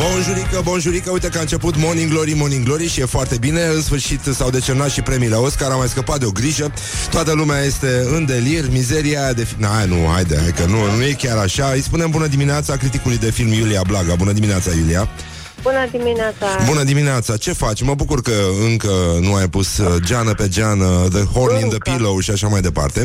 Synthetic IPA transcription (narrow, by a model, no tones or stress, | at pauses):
bonʒuɾikəbonʒuɾikəujt̪ekaɨnt͡ʃe̞put̪mo̞niɡlo̞ɾimo̞niɡlo̞ɾiʃije̞foart̪e̞bine̞ɨnsfɨrʃit̪sawd̪e̞t͡ʃemnat̪ʃipɾe̞mileo̞skaɾamajskəpat̪d̪eo̞ɡɾiʒə | t̪oat̪əlumeaje̞st̪e̞ɨnd̪e̞lirmize̞ɾiad̪e̞finanṵha̰jd̪eha̰jkənunuje̞kʲaɾaʃaɨjspunembunəd̪imineat̪sakɾit̪ikulujd̪e̞filmjuliablaɡabunəd̪imineat̪sajulia | bunəd̪imineat̪sabunəd̪imineat̪sat͡ʃe̞fat͡ʃʲməbukurkəɨŋkənuajpusd͡ʒanəpe̞d͡ʒanəd̪əhornĩŋnd̪əpilowʃiaʃamajd̪e̞pa̰rt̪e̞